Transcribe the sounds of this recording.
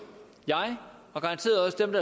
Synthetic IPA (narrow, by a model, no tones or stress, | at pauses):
jɑ̈ɪɒ̽ɡ̥ɑ̈ɑnt͡sʰe̝̰ːɐɒ̽səd̥emd̥ɑ